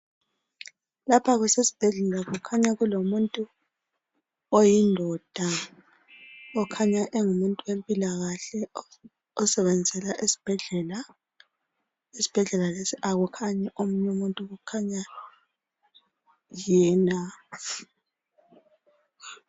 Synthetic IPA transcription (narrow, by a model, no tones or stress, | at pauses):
lapʰaɣusesi̥b̥ʱɛɮɛlaɣukʰaɲaɣulomuntʼu | ojindʱɔd̥ʱa | ɔkʰaɲaʔɛŋumuntʼuwempʼilaɣaɬɛ | ɔsɛβɛnd͡zʱɛlaʔesi̥b̥ʱɛɮɛla | esi̥b̥ʱɛɮɛlalesiʔaɣukʰaɲɛʔomuɲomuntʼuɣukʰaɲa | jɛːna